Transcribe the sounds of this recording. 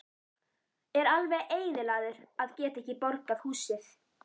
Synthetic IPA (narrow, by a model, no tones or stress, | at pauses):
ɛɾalvɛʔeːjðɪlaːðʏɾaðcɛːt̪aɛhcːɪpɔɾkaðhuːsɪθ